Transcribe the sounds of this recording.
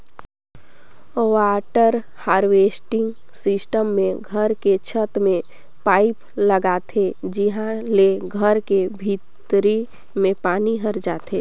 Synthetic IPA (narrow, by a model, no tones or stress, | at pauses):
waːʈəɾ | haːɾwesʈɪ̃ŋɡ | sɪsʈəmːẽɡʱəɾket͡ʃʰət̪mẽ | paːɪp | ləɡat̪ʰed͡ʒiɦãleɡʱəɾkebʱit̪ɾi | mẽpaːniɦəɾd͡ʒaːt̪ʰeː